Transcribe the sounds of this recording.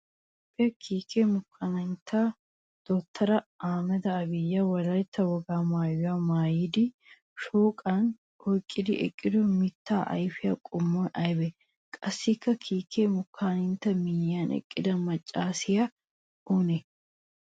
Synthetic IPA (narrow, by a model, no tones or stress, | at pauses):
pʼːɪɐkʰiːkʰeːmʊkʰːanɐnt̪ʰaː | d̪̥ɔt̪ʰːɐɾɐaːmɐd̪ɐːbɪjːawɐɾɐjt̪ːɐwɐɡaːmaːjaːmaːjɪd̪ɪ | ʃoːkʼaːn | ɔkʼːɪd̪ɪ̰ʔɛ̰kʼːɪd̪ʊmɪt̪ːaːʔɐ̰jfɪjɐkʼʊmːonɐjbɛ | kʼɐsːikːɐkʰiːkʰːeːmʊkʰːaːnɪnt̪ɐmɪjaːnɛ̰kʼːɪd̪ɐmɐt͡ʃʼːaːsɪjɐ | uːnɛ